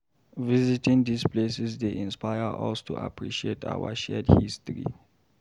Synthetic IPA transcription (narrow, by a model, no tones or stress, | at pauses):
vizitʰĩŋd̪ispʰlesɛzd̪eʔĩnspajəʔa̰stʰṵʔa̰pʰɹiʃietʰa̰waʃɛdhistɹḭ